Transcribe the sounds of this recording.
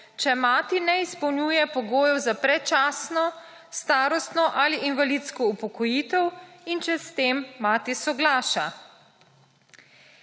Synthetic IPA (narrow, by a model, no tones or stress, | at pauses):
t͡ʃɛmaːt̪inɛispɔwnʲjuːjɛpɔɡoːjɛwzapɾɛt͡ʃaːsnɔ | st̪aːɾɔst̪nɔʔaliʔinʋalit̪skɔupɔkɔjiːt̪ɛwint͡ʃɛst̪eːmːaːt̪isɔɡlaːʃa